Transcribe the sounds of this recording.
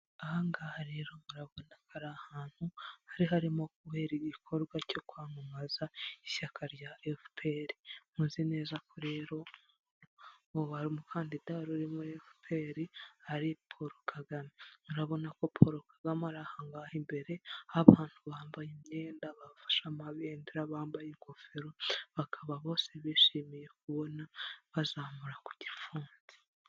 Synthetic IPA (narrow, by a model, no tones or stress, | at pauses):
ahaŋɡahɾeɾo̞muɾaβo̞nakʰaɾahaːn̥huhaɾiɦaɾimo̞k̚uβe̞ːɾiɟikʰo̞ɾɡwaco̞kwaːmumazaiʃakʰaɾjaefpʰeɾimuːnzine̞ːzakoɾe̞ɾo̞ | βaɾimukʰaːndidaɾuɾimuefipʰeɾiaɾipʰoɾokʰaɡameuɾaβo̞nako̞pʰoɾokʰḁɡamaɾahaːŋɡahimbe̞ɾe̞aβaːntuβaːmbajimɲeːndaβafḁʃamaβeːndiɾaβaːmbajeŋkʰofeɾoβakʰaβaβo̞ːseβiʃiːmije̞k̚uβo̞naβazaːmuɾaku̥ɟifuːnzi̥